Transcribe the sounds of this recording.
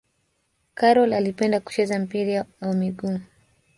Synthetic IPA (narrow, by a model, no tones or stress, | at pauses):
kaɾɔlalipɛndaku̥t͡ʃɛzam̩piɾiamiɡu